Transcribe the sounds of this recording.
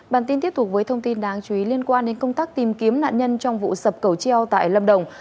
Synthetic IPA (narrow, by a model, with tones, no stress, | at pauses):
ɓaː˨˩nt̪i˧t̪i˦˥əp̚t̪̚ʰvəː˨˦jt̪ʰə˧ŋ͡mt̪i˧nɗaː˨˦ŋt͡ɕu˨˧˩i˨˦li˧ənkwaː˧nɗe˨˦nkə˧wŋ͡mt̪aː˦˥k̚t̪i˨˩mki˨˦əmna̰ː˧˨nɲə˧nt͡ɕɔ˧wŋ͡mvṵ˧˨sə˨˩p̚kə˧˩wt͡ɕi˧ə˧wt̪a̰ː˧˨jlə˧mɗə˨˩wŋ͡m